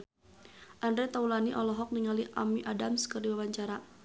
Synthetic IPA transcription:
ʔandɾɛt̪aulaniʔɔlɔɦɔk̚niŋaliʔa̰miʔadamskərdiwabaɲt͡ʃaɾa

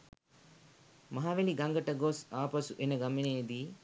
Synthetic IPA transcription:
mɐɦaʋeliɡɐŋɡɐʈɐɡosaːpɐsuʔenəɡɐmeneːd̪iː

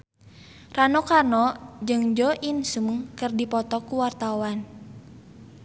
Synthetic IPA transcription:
ranɔkanɔd͡ʒɨŋd͡ʒɔʔinsumkɨrdipɔt̪ɔkuwart̪awan

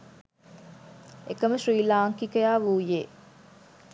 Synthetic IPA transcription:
ekɐməʃriːlaːŋkikɐjaːʋuːjeː

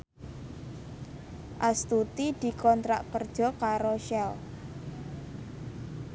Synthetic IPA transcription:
ʔast̪ut̪id̪̥i̤kɔnt̪ɾaʔkərd̥ʒ̥ɔ̤kaɾoʃɛl

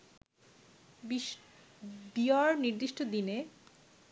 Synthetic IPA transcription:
biaɾniɾd̪iʃʈod̪ine

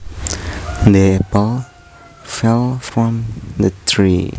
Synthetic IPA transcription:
d̪əɛpəl | fɛlˠfɹɔ̃md̪ətʰɹḭ

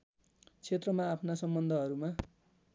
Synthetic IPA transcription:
t͡sʰet̪rʌmaːpʰnasʌmbʌnd̪ʱʌɦʌɾuma

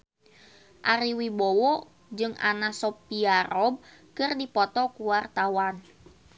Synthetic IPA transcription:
ʔaɾiwibɔwɔ | d͡ʒɨŋa̰nasɔpiaɾɔb̚ | kɨrdipɔt̪ɔkuwart̪awan

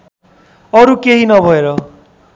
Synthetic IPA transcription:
ʌɾukeɦinʌbʱʌeɾʌ

